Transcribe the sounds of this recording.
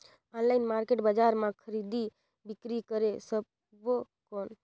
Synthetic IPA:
ɔ̃nlaːɪnmaɾkeːʈbad͡ʒaɾmãkʰəɾid̪i | bɪkɾikəɾesəb̚ | bo | koːn

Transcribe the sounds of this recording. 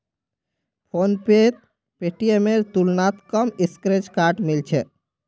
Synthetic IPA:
pʰonpet̪̚ | peʈiemeɾt̪ulnat̪kəmiskɾet͡ʃkaɾʈmilt͡ʃʰɛ

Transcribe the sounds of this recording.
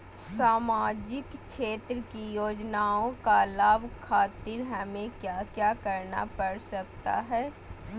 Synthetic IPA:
saːmaːd͡ʒɪkt͡ʃʃeːt̪ɾəkijoːd͡ʒnaːõkalaːbkʰaːt̪ɪɾɦɐmẽkjaːkjaːkɐɾna̰pɐɽsɐk̚t̪a̰ɦɛː

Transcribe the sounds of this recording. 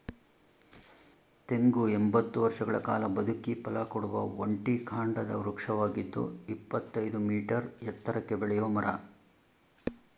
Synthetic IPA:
t̪e̞ŋɡuembɐt̪ːuʋɐɾʂɐɡɐɭɐkaːlɐbɐd̪ʱukipɐlɐkoɽuʋɐoɳʈikʰaːɳɖɐd̪ɐuɾukʂɐʋaːɡid̪ːṵipːɐt̪ːɐjd̪umiːʈɐɾjɛt̪ːɐɾɐkːebɛɭɛjoːmɐɾɐ

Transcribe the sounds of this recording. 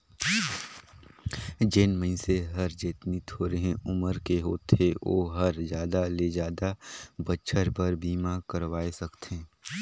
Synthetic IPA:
d͡ʒɪnmə̃ɪ̃seɦɐɾd͡ʒɪt̪nit̪ʰoːɾeɦɛ̃ʊməɾkeɦoːt̪eo̰ːɦɐɾd͡ʒjaːd̪aled͡ʒaːd̪abəːʃʰəɾpəɾbiːmakəɾʋaːesɐkt̪ʰẽː

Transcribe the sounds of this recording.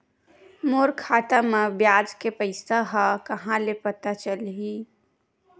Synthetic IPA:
moːɾkʰaːt̪amebjaːd͡ʒkepəɪsaɦakəɦãlepət̪at͡ʃəlɦi

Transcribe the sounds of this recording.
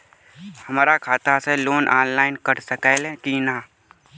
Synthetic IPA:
hɐmaːɾakʰaːt̪aseloːnʔaːnlaːɪnkəɾsəkaːlekinaː

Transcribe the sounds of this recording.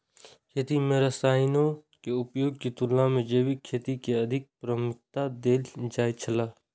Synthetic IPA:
kʰeːt̪imẽɾəsaːɪnokeʊpjoːɡkit̪ʊlːãmẽd͡ʒeːwikʰeːt̪ikeɐd̪ʱɪk̚pɾəmʊk̚t̪ad̪eːld͡ʒaːit͡ʃʰəlaː

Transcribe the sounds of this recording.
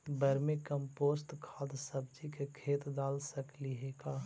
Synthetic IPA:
bəɾmẽkə̃mpoːstkʰaːd̪səb̚d͡ʒikekʰeːt̪d̪aːlsəkliɦeːkaː

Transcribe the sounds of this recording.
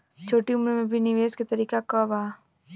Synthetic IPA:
t͡ʃʰoːʈiʊmɾmẽbʱinɪʋeːsket̪ɐɾiːkakəbaː

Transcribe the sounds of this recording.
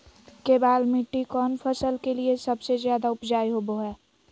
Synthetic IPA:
kebaːlmɪʈːikɔːnfʰəsəlkeliesɐbsezjaːd̪aʊpd͡ʒaːiɦoboɦɛː

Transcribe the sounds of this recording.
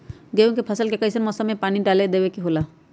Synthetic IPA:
ɡewkepʰasalkekajsanmɔsamepaniɖaled̪ebekiɦola

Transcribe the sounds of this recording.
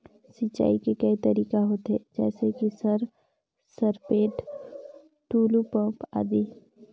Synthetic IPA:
sit͡ʃa̰ːikekɐit̪ɐɾiːkaɦoːt̪ɦed͡ʒɛ̰ːsekisəɾ | səɾpeːʈ | ʈuːlupə̃ːpa̰ːd̪iː

